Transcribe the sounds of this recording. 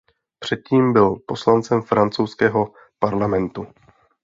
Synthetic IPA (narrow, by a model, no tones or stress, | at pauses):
pr̥ɛt̪̚ciːmbɪlpo̞slant͡sɛmfɾant͡sowskɛːɦo̞ | paɾlamɛnt̪u